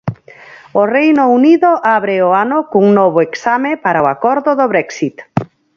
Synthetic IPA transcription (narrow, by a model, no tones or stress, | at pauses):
orejnouniðoʔaβɾeoanokuŋnɔβ̞oeksamepaɾaoakɔɾðoðoβɾɛksit̪